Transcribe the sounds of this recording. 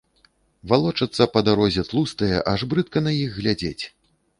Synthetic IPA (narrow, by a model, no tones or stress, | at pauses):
valˠɔt͡ʂɐt̪sːɐpɐd̪aɾɔzʲɛt̪lˠust̪ɐjɛ̰ʔaʐbɾɨt̪̚kɐnɐjixɣlʲad͡zʲet͡sʲ